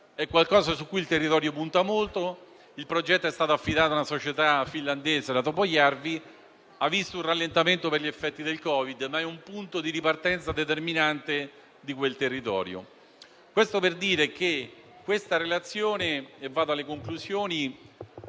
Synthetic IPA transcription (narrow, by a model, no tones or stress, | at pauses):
ɛkːwalkɔːzasukːujilt̪erːit̪ɔːɾjopunt̪amolt̪o | ilpɾod͡ʒɛt̪ːoɛst̪aːt̪oafːid̪aːt̪oaunasot͡ʃet̪afinland̪eːzed̪at̪opojarvi | avːist̪ounralːent̪ament̪operʎefːɛt̪ːid̪elkɔːvid̪maɛumpunt̪od̪iɾipart̪ɛnt̪sad̪et̪erminant̪e | d̪ikwelt̪erːit̪ɔ̰ːɾjo̰ | kwest̪operd̪iːɾek̟e | kːwest̪aɾelat̪sːjoːneɛvːaːd̪alːekoŋkluzjoːni